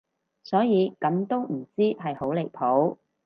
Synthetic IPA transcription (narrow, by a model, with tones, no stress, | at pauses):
sɔː˨˥jiː˨˧kɐ˨˥mt̪o˥wm̩˨˩t͡siː˥ɦɐ˨jho˨˥wle˨˩jpʰo˨˥w